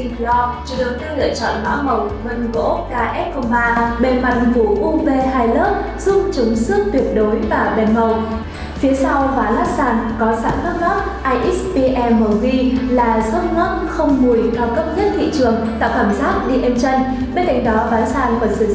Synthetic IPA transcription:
lɔ˧t͡ɕu˧˩ɗɨ˨˩k̚t̪lɨ̰˧˨ət͡ɕɔ̰˧˨nmɔ̰˧˥mə˨˩wvə˧˩nɣo̰˧˥kaː˧ʔɛ˦˥t̚ko˧maː˧ɓe˨˩nma̰˨˧˩ŋ̚vu˧˩ʔʊ˧ŋ͡mve˧ɦaː˧jləː˦˥p̚ | z̥ʊ˦˥ŋ͡m̚t͡ɕʊ˨˦ŋ͡msɨ˦˥ək̚t̪wi˨˩ət̚ɗo˨˦jvaː˨˩ɓe˨˩nmə˨˩w | fi˨˦əsa˧wvaː˨˦laː˦˥k̚saː˧˩nkɔ˨˦sa̰ː˧˩nkaː˦˥t̚ŋɔ˦˥t̚ʔaː˧jʔi˦˥pi˧ʔɛ˧mə˨˩wzi˧laː˨˩zə˦˥t̚ŋɔ˦˥t̚xə˧wŋ͡mmu˨˩əjt̪ʰaː˧˩kə˦˥p̚ɲə˦˥t̚t̪ḭ˧˨t͡ɕɨ˨˩əŋt̪a̰ː˧˨wkaː˧˩msaː˦˥t̚ɗi˧ʔe˧mt͡ɕə˧n | ɓe˧nka˨˩jŋ̟ɗɔ˨˦vaː˨˦saː˧˩nvɔ˨˦nsɨ˧˩

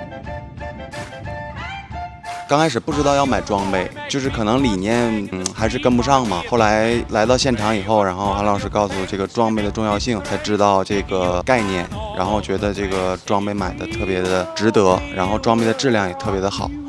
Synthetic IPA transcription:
kɑ˥ŋkʰa˥ɪʂɻ̩˨˩pu˥˩ʈ͡ʂɻ̩˥t̪ɑ˥˧ʊjɑ˥˩ʊma˨˩ɪʈ͡ʂwɑ˥ŋpe˥˩ɪt͡ɕjo˥˧ʊʂɻ̩˥˩kʰɤ˨˩nɤ˧˥ŋli˨˩njɛ˥nxa˧˥ɪʂɻ̩˥˩kə˥npu˧˥ʂɑ˥˩ŋmɐ˩xo˥˩ʊla˧˥ɪla˧˥ɪt̪ɑ˥˧ʊɕjɛ˥˩nʈ͡ʂʰɑ˧˥ŋi˨˩xo˥˩ʊɻa˧˥nxo˥˩˧ʊxa˧˥nlɑ˨˩ʊʂɻ̩˥˧kɑ˥˩ʊsu˧ʈ͡ʂɤ˥˩ɡə˩ʈ͡ʂwɑ˥ŋpe˥˩ɪd̪ə˩ʈ͡ʂʊ˥˧ŋjɑ˥˧ʊɕi˥˩ŋt͡sʰa˥ɪʈ͡ʂɻ̩˥t̪ɑ˥˧ʊʈ͡ʂɤ˥˩ɡə˩ka˥˧ɪnjɛ̰˥˩n | ɻa̰˧˥nxo˥˩ʊt͡ɕɥɛ˧˥d̪ə˧ʈ͡ʂɤ˥˩ɡə˩ʈ͡ʂwɑ˥ŋpe˥˩ɪma̰˨˩ɪd̪ə˦t̪ʰɤ˥˩pjɛ˧˥d̪ə˧ʈ͡ʂɻ̩˧˥t̪ɤ˧˥ɻa̰˧˥nxo˥˩ʊʈ͡ʂwɑ˥ŋpe˥˩ɪd̪ə˩ʈ͡ʂɻ̩˥˧ljɑ˥˩ŋjɛ˨˩t̪ʰɤ˥˩pjɛ˧˥d̪ə˧xɑ̰˨˩˦

